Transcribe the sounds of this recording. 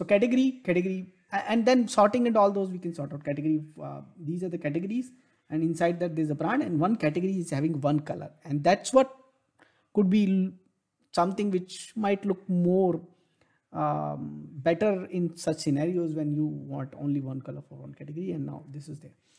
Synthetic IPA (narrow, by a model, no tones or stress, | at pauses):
sokæʈəɡəɾikæʈəɡəɾi | ɛ̃ɳɖd̪ɛ̃nsɔːʈɪ̃ŋɛ̃ɳɖɔːld̪oːzʋiːkɛ̃nsɔːɾʈaʊʈ̚kæʈəɡəɾid̪iːzaːɾd̪əkæʈəɡəɾiz | ɛ̃ɳɖɪ̃nsaɪɖ̚d̪æʈ̚d̪eɾzəpɾãːɳɖɛ̃ɳɖʋʌ̃nkæʈəɡəɾiɪzhæʋɪ̃ŋɡʋʌ̃nkʌlə̰ɾɛ̃ɳɖd̪æʈsʋɔʈ̚ | kʊɖ̚bi | sʌ̃mt̪ɪ̃ŋɡʋɪt͡ʃmaɪʈlʊk̚moːɾ | bɛʈəɾɪ̃nsʌt͡ʃsɪnæːɾioːzʋɛ̃njuːʋɔ̰̃ːɳʈõ̰ːnliʋʌ̃nkʌləɾfɔɾʋʌ̰̃nkæʈəɡəɾiɛ̃ɳɖna̰ʊd̪ɪsɪzd̪eːɾ